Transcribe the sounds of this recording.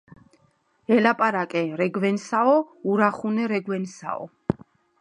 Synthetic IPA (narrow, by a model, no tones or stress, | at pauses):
ɛlapʼaɾakʼɛɾɛɡvɛnsaɔuɾaχunɛɾɛɡwɛnsa̰ɔ̰